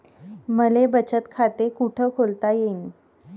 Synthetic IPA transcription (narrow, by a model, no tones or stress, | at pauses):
məlebət͡ɕət̪kʰat̪ekuʈʰəkʰolt̪ajen